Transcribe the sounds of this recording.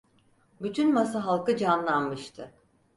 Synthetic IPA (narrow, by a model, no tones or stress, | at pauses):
byt̪ʰynmasaɦalˠkɯd͡ʒanlˠanmɯʃt̪ʰɯ